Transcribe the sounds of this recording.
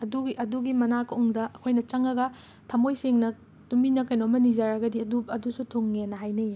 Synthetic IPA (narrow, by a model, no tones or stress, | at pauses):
ɐduɡiʔɐduɡimɐnakuŋdɐʔɐkʰojnɐt͡ʃɐŋɐɡɐ | tʰɐmojsiŋnɐ | tumbinɐkɐjnomɐnizaɾɐɡɐdiɐduɐdusutʰoŋːenɐɦajnɐje